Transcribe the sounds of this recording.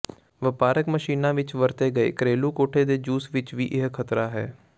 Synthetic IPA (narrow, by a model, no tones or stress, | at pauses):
ʋəpaːɾəkməʃiːnãːʋɪt͡ʃʋəɾt̪eːɡəḛːkɾeːluːkoːʈʰeːd̪eːd͡ʒuːsʋɪt͡ʃʋḭːʔɪɦkʰət̪ɾaːɦɛ̰ː